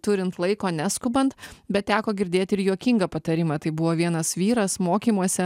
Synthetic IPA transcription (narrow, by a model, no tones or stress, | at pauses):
t̪ʊɾʲɪnt̪lˠɐɪkoːnʲæskʊbɐnt̪bʲɛt̪tʲæːkoːɡʲɪɾʲd̪ʲeːt̪ʲɪɾjuɔkʲiŋɡɐpɐt̪ɐɾʲɪmɐːt̪ɐɪbʊʋoːʋʲiɛnɐsʋʲiːɾɐsmoːkʲiːmuɔsʲɛ